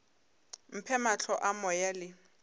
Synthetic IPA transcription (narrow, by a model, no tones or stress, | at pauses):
m̩pʰɛmat͡ɬʰɔʔamɔjalɪ